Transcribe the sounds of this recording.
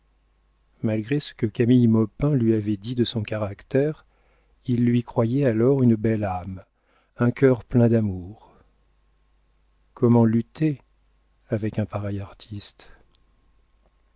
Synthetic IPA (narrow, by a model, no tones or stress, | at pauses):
malɡʁesə̥kəkamijmɔpɛ̃lɥiavɛd̪id̪əsɔ̃kaʁakt̪ɛʁ | ilːɥikχwajɛalɔʁynbɛlam | ɛ̃kʰʲœʁplɛ̃d̪amuʁ | kʰɔmɑ̃lyt̪e | avɛkɛ̃paʁɛjaʁt̪ʰist̪